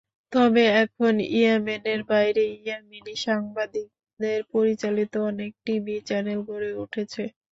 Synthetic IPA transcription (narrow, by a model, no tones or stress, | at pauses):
t̪ɔbeɛkʰonḭemeneɾbajɾeieminiʃaŋbad̪ik̚ | d̪eɾpoɾit͡ɕalit̪oɔnek̚ʈibit͡ɕɛnelɡoɾeuʈʰet͡ɕʰe